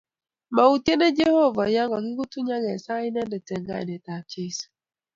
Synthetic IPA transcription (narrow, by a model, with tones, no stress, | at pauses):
ma˨u˨ti˦e˦nɛ˦d͡ʒɛ˦ho˦va˨ja˦ŋɡɔ˨ki˦ku˦tu˦ɲa˦ŋɛ˨sa˦i˦nɛ˦ndɛ˨tɛ˨ŋɡa̰˦ɛ̰˨nɛ˨ta˨t͡ʃe˦s